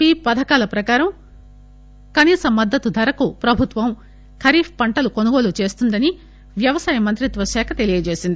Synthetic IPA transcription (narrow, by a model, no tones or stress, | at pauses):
piːpɐd̪ʱɐkaːlɐpɾɐkaːɾɐm | kɐniːsɐmːɐd̪ːɐt̪ud̪ʱɐɾɐkupɾɐbʱut̪ʋɐm | kʰɐɾiːpʰpɐɳʈɐlukonuɡo̞ːlut͡ʃe̞ːst̪und̪ɐni | ʋjɐʋɐsaːjɐmɐnt̪ɾit̪ʋɐʃɛːkʰɐt̪e̞lijɐd͡ʒe̞ːsind̪i